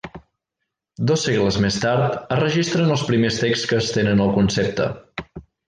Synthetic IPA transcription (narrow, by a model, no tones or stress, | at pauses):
d̪ɔsːeɣləzmest̪aɾt̪ərəʒist̪ɾənəlˠspɾimest̪ekskəːst̪enənəlˠkunsep̚t̪ə̰